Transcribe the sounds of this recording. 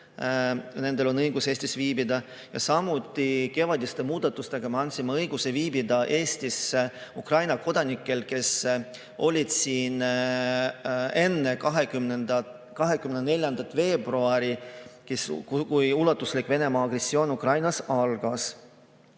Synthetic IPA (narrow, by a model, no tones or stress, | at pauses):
ne̞ne̞lo̞nɤjɡuseːsʲt̪isviːbid̪ɑ | jɑsɑmut̪ːˑike̞vɑd̪ʲist̪emuːd̪̥ɑt̪ːˑust̪e̞ɡ̥ɑmeɑnʲsimɑɤjɡ̥use̞viːbid̪ɑʔe̞ːst̪isukrɑjnɑko̞d̪̥ɑnikːˑe̞lke̞s | ʔo̞lʲid̪̥siːn | e̞nːe̞kɑɦekymnend̪̥ɑ | kɑɦe̞kymnene̞lʲjɑnd̪̥ɑt̪ːfe̞ːbruɑɾikeskujulɑt̪ːˑuslikve̞ne̞mɑːɡ̥re̞sːio̞ːnukrɑjnɑsɑlɡ̥ɑs